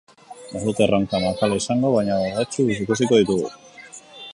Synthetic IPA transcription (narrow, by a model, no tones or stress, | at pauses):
asut̪eraŋkamakalaisaŋɡo̞βaɲaaðat͡ʃuis̬ikusiko̞ðit̪uɣṵ